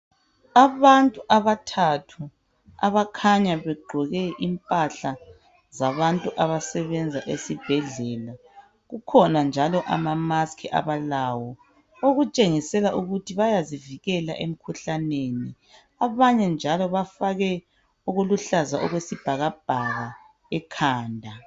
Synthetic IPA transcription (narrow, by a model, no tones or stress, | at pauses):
aβantʼuʔaβatʰatʰu | a̰βakʰaɲaβɛɡ͡ǃʱɔɣɛʔimpʼaɬa | zaβantʼuʔaβasɛβɛnd͡zʱaʔesib̥ʱɛɮɛːla | ɣukʰɔnand͡ʒʱalɔʔa̰mamaskʰiʔa̰βalawɔ | oɣut͡ʃʼeŋisɛlaʔuɣutʰiβajaziviɣɛla̰ʔem̩kʰuɬaneni | aβaɲɛnd͡ʒʱalɔβafaɣɛ | uɣuluɬazaʔɔɣwesib̥ʱaɣab̥ʱaɣa | ɛkʰaːndʱa